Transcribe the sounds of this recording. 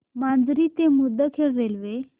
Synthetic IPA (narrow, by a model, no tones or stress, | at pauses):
mand̪ɾiːt̪emud̪ʱːəkʰeɽːelʋe